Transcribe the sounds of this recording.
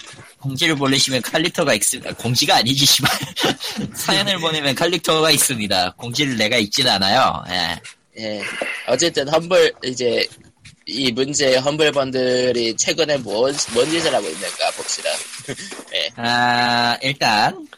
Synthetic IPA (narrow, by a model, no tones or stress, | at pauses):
koŋd͡ʑiɾɯɭpoʎːiɕʰimjʌnkʰaʎːitʰʌɡaiks͈ɯmida̰koŋd͡ʑiɡaːɲid͡ʑiɕʰiba | sʰajʌnɯɭpoɲemjʌnkʰaʎːitʰʌɡais͈ɯmɲidakoŋd͡ʑiɾɯɭne̞ɡait̚t͡ɕ͈inanajo̰je̞̰ | je̞ʌt͡ɕ͈e̞t͈ɯnɦʌnbɯɭid͡ʑe̞ | imund͡ʑeɦʌnbɯɭbʌndɯɾit͡ɕʰwe̞ɡɯne̞mʌmwʌnd͡ʑid͡ʑʌɾaɡoḭnːɯnk͈a̰pok̚ɕ͈ida̰ | je̞̰aiɭt͈an